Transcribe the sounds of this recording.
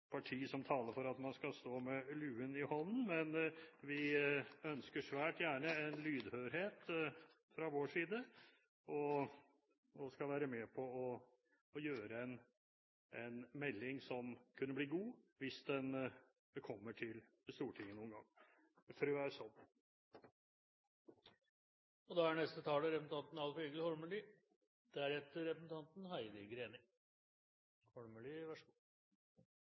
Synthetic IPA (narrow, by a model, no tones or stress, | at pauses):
pʰɑʈʰiːsɔmt̪ʰɑːləɾfɔɾɑt̪mɑnskɑst̪oːmɛlʉːənɪhɔnn̩mɛnʋɪœnskəʂʋæːʈjæːɳəɛnlyːd̪høːɾheːt̪ | fɾɑʋoːʂiːd̪ə | ɔ | ɔskɑʋæːɾəmɛpʰɔɔː | jøːɾəɛn | ɛnmɛlːɪŋsɔmkʰʉnːəbliːɡuːʋɪsd̪ɛn | kʰɔmːəʈʰɪl | st̪uːʈʰɪŋːənuːənɡɑ̰ŋː | fɾøːæɾʂɔn | ɔd̪ɑæɳɛst̪ət̪ʰɑːləɾɛpsn̩t̪ɑnt̪n̩ɑlfyːɡəlhɔɭməliː | d̪̥ɛæɾɛt̪ːəɾɛpɾəsn̩t̪ʰɑnt̪n̩hæɪd̪ɪɡɾeːnɪŋ | hɔɭməliʋæʂɡu